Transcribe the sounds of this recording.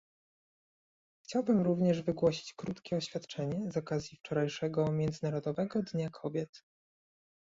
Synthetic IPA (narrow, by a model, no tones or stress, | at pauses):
xt͡ɕawbɘmɾuvɲɛʐvɘɡwɔɕi̥t͡ɕkɾut̪kʲɛɔɕfʲjat̪t͡ʂɛɲɛzɔkazʲjift͡ʂɔɾajʂɛɡɔmʲjɛnd̪zɘnaɾɔd̪ɔvɛɡɔd̪ɲakʰɔbʲjɛt̪